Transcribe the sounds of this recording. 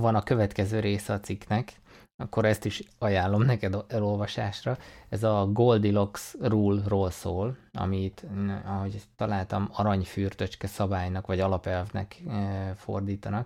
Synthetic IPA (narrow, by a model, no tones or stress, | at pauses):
vɒnɒkø̞vɛt̪kɛzøːɾeːsɛɒt̪siknɛk | ɒkːoɾɛst̪iʃɒjaːlːo̞mnɛkɛd̪ɛlo̞lvɒʃaːʃrɒɛzɒɡoːld̪ilo̞ksruːlroːlsoːlɒ̰mit̪ːɒɦo̞ɟt̪ːɒlaːlt̪ɒmɒɾɒɲfyːrt̪øt͡ʃkɛsɒbaːjnɒkʋɒɟɒlɒpɛlvnɛ̰kfo̰rd̪iːt̪ɒnɒk